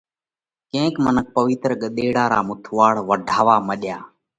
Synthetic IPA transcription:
kẽːkmənək̚pəʋɪt̪ɾɠəɗ̪eːɽaːɾa̰ːmʊt̪ʰʋaːɽʋəɖʱaːʋaːməɗjaː

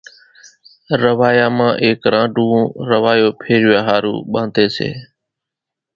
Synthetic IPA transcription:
ɾəʋaːjaːmãːʔeːkɾãːɖũːɾəʋaːjoːpʰeːɾɪjaːɦaːɾṵːɓãːnd̪eːsḛː

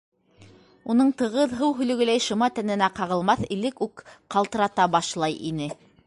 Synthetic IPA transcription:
unɤɴt̪ɤ̆ʁɤðɦɤwɦɵ̆lɵ̆ɡɘ̆læjʃɤ̆mɑt̪ænɘ̆næqɑʁɤ̆lˠmɑθilɘkʉkqɑlˠt̪ɤ̆ɾɑt̪ɑbɑʃlˠɑjʔḭnɘ

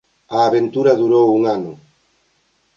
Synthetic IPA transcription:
aːβent̪uɾaðuɾowuŋanʊ

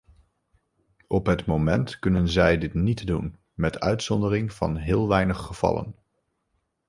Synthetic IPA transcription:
ʔɔpɦətmomɛntkɵnənzɛjdɪtnitdun | mɛtœ̰ɥtsɔndərɪŋv̥ɑ̰nɦɪːlˠʋɛjnəχːəv̥ɑ̰lə̰n

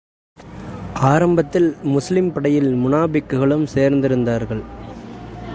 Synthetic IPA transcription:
ʔaːɾɐmbɐt̪ːɪlmʊslɪmpɐɽɐjɪlmʊnaːbɪkːɯɣɐɭɯmseːɾnd̪ɪɾɯnd̪aːɾɣɐɭ

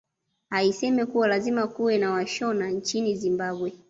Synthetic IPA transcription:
haisɛmɛkuwalazimakuwɛnawaʃɔnant͡ʃinizimbaɓwɛ

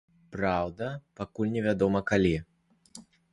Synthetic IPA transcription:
pɾawd̪ɐpakulʲnʲɛvʲad̪ɔmɐkalʲi

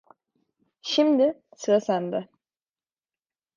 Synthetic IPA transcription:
ʃimd̪ɪsɯɾasænd̪ɛ

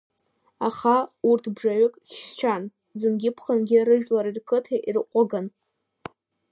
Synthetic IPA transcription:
aχaurtʰbʐaɥʊkʼʃʲst͡ʃʷᶣʰan | d͡zɨnɡʲɪpʰχənɡʲɪrɨʒᶣlaɾirkʰɨtʰaʔirqʷʼaɡan

